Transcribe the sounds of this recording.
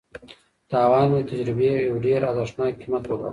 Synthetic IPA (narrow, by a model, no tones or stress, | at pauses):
t̪ɑːwɑːnmet̪ad͡ʒɾɪbejawɖeɾazaʂnɑːkimat̪woka̰